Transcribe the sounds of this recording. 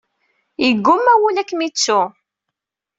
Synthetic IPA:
jəɡːʊmːæwulækːmit͡sːu

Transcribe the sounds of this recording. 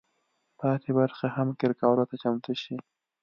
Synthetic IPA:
p̪ɑt̪ebaɾxahamkɪɾkɑːɾot̪at͡ʃamt̪uʃi

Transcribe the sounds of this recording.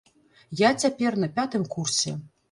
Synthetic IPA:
jat͡sʲapʲernɐpʲat̪ɨmkʰursʲe

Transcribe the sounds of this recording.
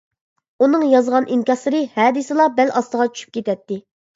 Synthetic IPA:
unɨŋjɑzʁɑnʔiŋkʲɑsˠɨɾɨhɛːd̪ɪsɨlˠɑbɛlʔɑst̪əʁɑt͡ʃʰy̥ʃʰyp̚kʲet̪ɛt̪ːɪ

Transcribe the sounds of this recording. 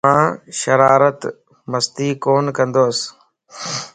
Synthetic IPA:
ãːʃəɾaːɾət̪ | məst̪iːkoːnkə̃nd̪oːs

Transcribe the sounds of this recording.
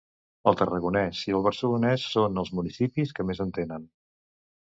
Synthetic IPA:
əlˠt̪ərəɣunɛziəlˠβ̞əɾsəlunɛsːonəlˠzmunisipiskəmezənt̪enən

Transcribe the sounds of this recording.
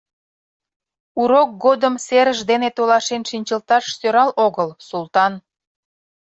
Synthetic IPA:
uɾok̚ɡod̪əmseɾəʒd̪enet̪olɑʃenʃinʲt͡ɕəlt̪ɑʃsøɾɑloɣəlsulˠt̪ɑn

